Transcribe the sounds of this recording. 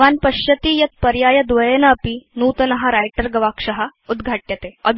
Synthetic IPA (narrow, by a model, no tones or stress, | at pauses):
ʋanpɐɕjɐt̪iːjɐt̪̚pɐɾjaːjɐd̪ʋɐjenɐːpiːnuːt̪ɐnɐɦaɾajʈəɾɡɐʋakʂɐɦaud̪ɡʱaʈjət̪eəd̪ʱ